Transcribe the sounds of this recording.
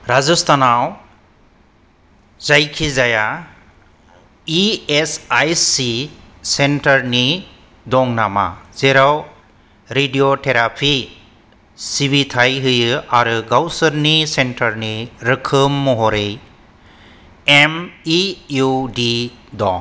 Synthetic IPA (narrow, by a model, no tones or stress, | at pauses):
ɾazust̪ʰanaw | zajkʰizaja | iesajsi | senʈɐɾni | d̪ɔŋnama̰z̥eɾaw | ɾedioʈʰeɾapʰi | sibit̪ʰajɦɯjɯaɾɯɡawsɯɾnisenʈɐɾniɾɯkʰɯmːɔɦɔɾej | emijuɖid̪ɔ̰